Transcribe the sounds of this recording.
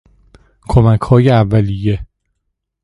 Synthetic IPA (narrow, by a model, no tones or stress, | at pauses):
kʰomækʰhɒːjeævːælije